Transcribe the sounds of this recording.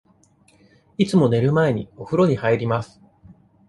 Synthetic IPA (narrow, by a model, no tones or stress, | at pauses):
it͡sɨmo̞ne̞ɾɯ̟mae̞ɲ̟ḭoɸɯ̟ɾo̞ɲ̟ihaiɾʲimasɨ̥